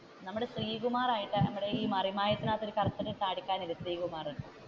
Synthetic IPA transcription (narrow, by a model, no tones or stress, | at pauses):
nɐmːuɽesriːɣumaːraːjiʈːɨnɐmːuɽe̞iːmɐrimaːjɐt̪ːinaːt̪ːoɾukɐrɐt̪ːɐɾit̪ːaːɽikʲːaːnilɐsriːɣumaːruɳɖɨ